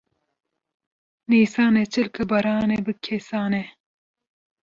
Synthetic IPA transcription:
niːsaːnet͡ʃʰɨlkɨbɐɾaːnebɨkʰesaːne

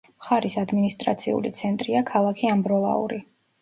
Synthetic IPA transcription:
mχaɾisad̪minist̪ʼɾa̰t̪sʰiṵlḭt̪sʰɛnt̪ʼɾiakʰalˠakʰiambɾɔlˠa̰ṵɾi

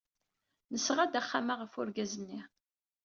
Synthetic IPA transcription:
nəsːʁad̪æχːamaʁəfʊɾɡæzənːi

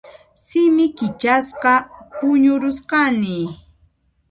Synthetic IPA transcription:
sɪmɪkɪt͡ʃasqɑpʊɲʊɾʊsqɑnɪ

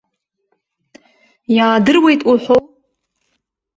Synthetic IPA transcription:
jaːdɨrwe̞jtʼuħʷo

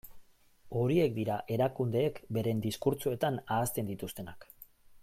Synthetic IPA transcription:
o̞ɾie̞kd̪iɾaʔe̞ɾakund̪e̞ːkbe̞ɾe̞nd̪iskuɾt͡sue̞t̪anaːst̪e̞nd̪it̪ust̪e̞nak

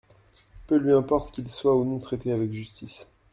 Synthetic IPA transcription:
pølɥiɛ̃pɔʁt̪kʲilswaunɔ̃t̪χet̪eavɛkʒyst̪is

